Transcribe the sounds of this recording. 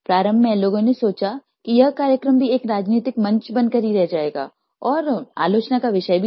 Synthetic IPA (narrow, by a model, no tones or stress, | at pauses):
pɾaːɾə̃mbʱɛ̃loːɡõnesoːt͡ʃa | kijɐɦkaːɾjəkɾəmbʱieːkɾaːd͡ʒniːt̪ɪkmɐ̃ɲt͡ʃbɐ̃nkɐɾiɾɛɦd͡ʒaːeːɡa̰ː | ɔːɾa̰ːloːt͡ʃnakaʋɪʃəjbʱi